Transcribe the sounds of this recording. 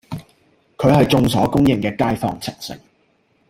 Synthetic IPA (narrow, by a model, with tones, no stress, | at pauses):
kʰɵ˨˧ɥhɐ˨jt͡sʊ˧ŋsɔː˨˥kʊ˥ŋjɪ˨˩ŋkɛː˧kaː˥jfɔ̰ː˧ŋt͡sʰɪ˨˩ŋ̚sɪ̰˨ŋ